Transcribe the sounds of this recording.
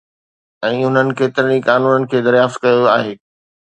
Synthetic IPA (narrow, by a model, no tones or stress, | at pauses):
ɛ̃ːʊn̤ənɪ̆keːt̪ɪɾənikaːnuːnənɪ̆kʰeːd̪ɐɾjaːft̪kɐjoaːɦeː